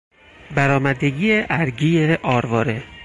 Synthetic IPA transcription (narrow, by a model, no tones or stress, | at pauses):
bæɾɒːmæd̪eɡiːjeʔæɾɟiːjeʔɒːɾvɒːɾe